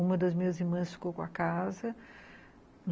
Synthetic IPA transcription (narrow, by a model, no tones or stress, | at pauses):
ũmɐd̪ɐzmĩɲɐziɾmɐ̃sfi̥kowkõɐkazɐ | n